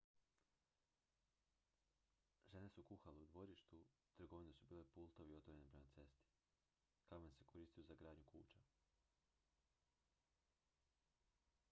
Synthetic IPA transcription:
ʒe̞ne̞sukuxaleud̪ʋo̞ɾiʃt̪ut̪ɾ̩ɡo̞ʋinesubiːlepuːlˠt̪oʋio̞t̪ʋoɾe̞nepɾe̞mat̪se̞st̪i̥ | kamanse̞ko̞ɾiːst̪ijozaɡɾaːd̪ɲukṵːt͡ʃa

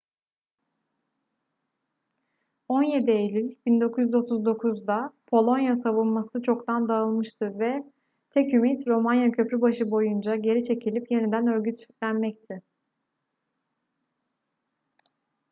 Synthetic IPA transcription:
o̞nje̞d̪ielʲilʲbind̪o̞kʰuzjyzo̞t̪ʰuzd̪o̞kʰuzd̪apʰo̞lˠo̞njasavɯnmasɯt͡ʃʰo̞kt̪ʰand̪aɯlˠmɯʃt̪ʰɯvɛ | t̪ʰɛcymit̪ɾo̞manjacʰø̞pɾybaʃɯbo̞jund͡ʒaɟe̞ɾit͡ʃʰe̞cʰilʲipje̞nid̪ænø̞ɾɟyt̪lʲænmɛct̪ʰɪ

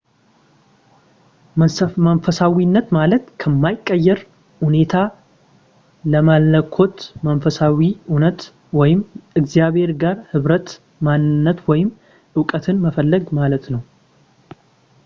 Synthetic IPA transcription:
mənfəsawinːət̪malət̪kʰəmːajɪkʼːəjːɛɾ | hune̞t̪ʰa | ləmalːəkʰo̞t̪mənfəsawiunət̪ | wɔjɪmɨɡzijaβhe̞ɾɡaɾhɨβɾət̪ | manːɨnːət̪wɔjɪm | ʔɨwkʼət̪ʰɨnməfəlːəɡmalət̪nəw

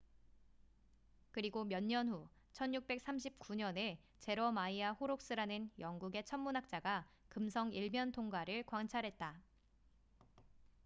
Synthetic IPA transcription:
kɯɾiɡomjʌɲːʌnɦu | t͡ɕʰʌnjuk̚p͈e̞k̚s͈amɕ̬ʰip̚k͈uɲʌne̞ | t͡ɕe̞ɾʌmaiaɸoɾok̚s͈ɯɾanɯnjʌŋɡuɡe̞t͡ɕʰʌmmːunak̚t͡ɕ͈aɡa | kɯmsʰʌŋiɭmjʌntʰoŋɡaɾɯɭkwaŋt͡ɕʰaɾɦe̞t̚t͈a

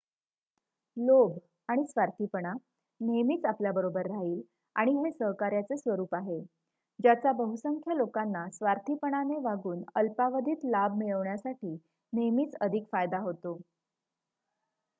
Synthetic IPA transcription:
lob | aɽ̃isʋaɾt̪ʰipəɳ̃a | nemiːt͡sapljabəɾobəɾːaɦiːl | a̰ɽ̃iɦesəɦkaɾjat͡sesʋəɾuːpaɦe | d͡ʑjat͡sabəɦusəŋkʰjalokanːasʋaɾt̪ʰipəɳ̃aneʋaɡuːnəlpaʋəd̪ʱiːt̪lab̚miɭəʋɳjasaʈiː | nemiːt͡səd̪ʱikfajd̪aɦot̪o

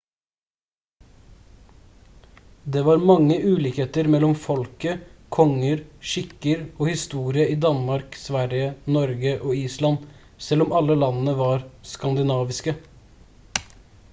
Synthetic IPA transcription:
d̪eːʋɑːɾmɑŋəʔʉːlɪːkheːt̪əɾmɛlɔmfɔlkəkʰɔŋəɾʃɪkəɾoːhɪst̪uːɾɪəiːd̪ɑnmɑɾksʋæɾjənɔɾɡəʔoːiːslɑn | sɛlɔmɑləlɑnn̩əʋɑːɾskɑnd̪ɪnɑːʋɪskə

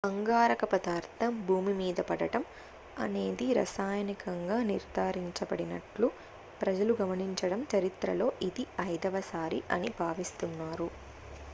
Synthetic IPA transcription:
bɐŋɡaːɾɐkɐpɐd̪aːɾt̪ʰɐmbʱuːmimiːd̪ɐpɐɽɐʈɐm | ɐ̰ne̞ːd̪iɾɐ̰saːjɐnikɐŋɡaːniɾd̪ʱaːɾiɲt͡ʃɐbɐɽinɐʈlu | pɾɐd͡ʒɐluɡɐmɐniɲt͡ʃɐɽɐmt͡ʃɐɾit̪ɾɐlo̞ːʔid̪iɐjd̪ɐʋɐsaːɾiʔɐ̰nibʱaːʋist̪unːaːɾu

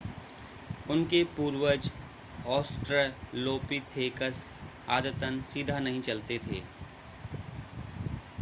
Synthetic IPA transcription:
ʊnkepuːɾwəd͡ʒ | ɔːsʈɾəloːpit̪ʰeːkəs | aːd̪ət̪ənsiːd̪ʱanɐɦĩt͡ʃɐlt̪et̪ʰḛː

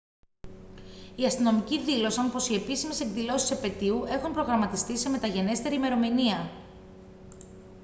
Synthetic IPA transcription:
iɐst̪ino̞miciðilo̞sɐnopo̞sie̞pisimeseŋɡðilo̞si̥sepe̞t̪iue̞xumpɾo̞ɣɾɐmɐt̪ist̪ise̞me̞t̪ɐʝe̞ne̞st̪e̞ɾime̞ɾo̞miniɐ

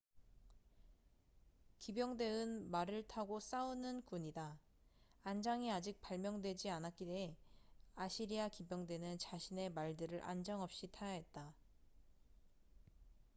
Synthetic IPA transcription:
kibjʌŋde̞ɯnmaɾɯɭtʰaɡos͈aɯnɯnkuɲidaː | nd͡ʑaŋiad͡ʑik̚paɭmjʌŋdwe̞d͡ʑianak͈ideaɕʰiɾiakibjʌŋdwe̞nɯnt͡ɕaɕʰine̞maɭdɯɾɯɾʔa̰nd͡ʑaŋʌp̚ɕ͈itʰaaɦe̞t̚t͈a

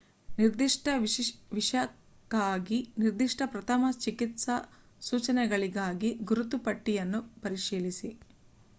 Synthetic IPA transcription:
niɾd̪iʂʈɐʋiʂɐ | kaːɡiniɾd̪iʂʈʰɐpɾɐt̪ʰɐmɐt͡ʃikit̪sɐ | suːt͡ʃɐnɛɡɐɭiɡaːɡiɡuɾut̪upɐʈːijɐnːupɐɾiʂiːɭisi

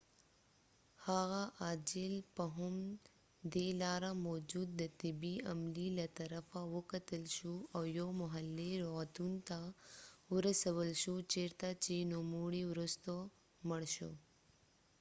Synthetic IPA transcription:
haɣaʔaːd͡ʑɪlpəɦʊm | d̪elaːɾamɔːd͡ʒuːd̪̚ːət̪ɪbiɐmlilat̪ɐɾəfawəkət̪əlʃuawjomʊɦəlːeɾot̪unt̪awʊɾəsəwəlʃut͡ʃeɾt̪at͡ʃenomuːɽiʋɾʊst̪o | məɽʃṵ

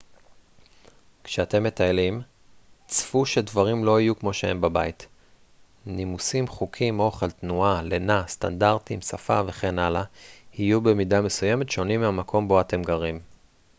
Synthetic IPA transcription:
kʃeate̞mːe̞taelim | t͡sfuʃedvaʁimlo̞ajukmo̞ʃehe̞mbabait | nimusimχukʰimo̞χeltnualenasta̰ndaʁtimsafa̰ve̞χe̞nalahijube̞midame̞suje̞metʃeonimːeamakʰo̞mbo̞ate̞mɡaʁim

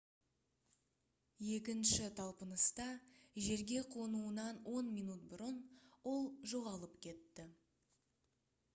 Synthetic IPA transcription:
je̞kʲɪnʃɪt̪ʰɑlˠpənəst̪ɑʒe̞ɾɡʲe̞qʰonuənɑnwʔo̞nmijnut̪̚bʊɾənwo̞lˠʒo̞ʁɑlˠəpkʲʰe̞t̪ːɪ

